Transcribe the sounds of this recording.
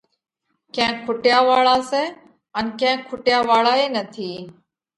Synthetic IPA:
kɛ̃ːkʰʊʈɪjaːʋaːɭaːsɛː | ənkɛ̃ːkʰʊʈjaːʋaːɭaːeːnət̪ʰiː

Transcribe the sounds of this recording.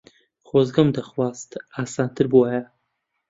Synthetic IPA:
χozɡɐmd̪ɐχwaːst̪aːsaːnt̪ʰɨɾbuwaja

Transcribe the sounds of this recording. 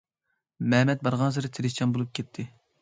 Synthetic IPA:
mɛmɛt̪̚bɑɾʁɑnzɨɾɨt̪ʰɪɾɪt͡ʃʰɑnbolˠup̚kʲʰɛt̪ʰːɪ

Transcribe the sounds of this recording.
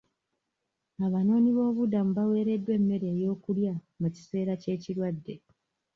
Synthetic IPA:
aβano̞ːniβo̞ːβudamuβawe̞ːɾe̞dwe̞ːmːe̞ɾe̞ːjo̞ːkulja | muci̥se̞ːɾace̞ːciɾwadːe̞

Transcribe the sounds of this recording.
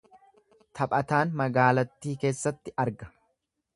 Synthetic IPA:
t̪ʰɐpʼɐt̪aːnmɐɡaːlɐt̪ːiːke̞ːsːɐt̪ːɪɐɾɡɐ̥

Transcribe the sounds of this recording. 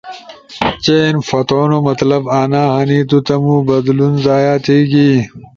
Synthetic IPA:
t͡ɕenfɐt̪oːnomɐt̪lɐbaːnaːhɐniːt̪̬ut̪ɐmuːbɐd̪lunzaːjaːt̪iːɡiː

